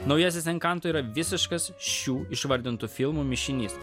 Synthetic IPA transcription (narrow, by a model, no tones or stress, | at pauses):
nɒʊjɛsʲɪsʲɛŋkɐˑnt̪oiːɾɐʋʲɪsʲɪʃkɐsʃʲuːɪʃʋɐɾʲd̪ʲɪnt̪uːfʲɪlˠmuːmʲɪʃʲɪnʲiːs